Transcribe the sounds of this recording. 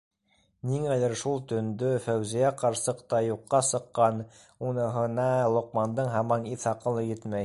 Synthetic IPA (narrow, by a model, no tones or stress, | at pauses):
niŋælɘɾʃulˠt̪ɵ̆nd̪ɵfæwzijæqɑɾsɤqt̪ɑjuqːɑsɤ̆qːɑn | unɤ̆ɦɤ̆nɑlˠŏqmɑnd̪ɤɴɦɑmɑniθɑqɤnˠɵ̆jɘt̪mæj